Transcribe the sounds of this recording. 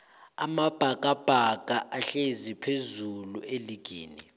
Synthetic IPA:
a̰mab̥ʱakʼab̥ʱaɡ̥ʼʱaʔaɬezipʰezulueliɡ̥ʱḭːni

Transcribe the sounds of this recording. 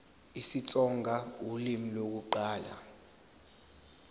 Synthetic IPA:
isit͡sʼɔŋɡʱawulimilok̬uǃaːla̰

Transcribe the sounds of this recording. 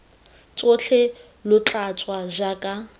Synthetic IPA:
t͡sʼʊt͡ɬʰɛ | lʊt͡ɬʼat͡sʼwaʒakʼa

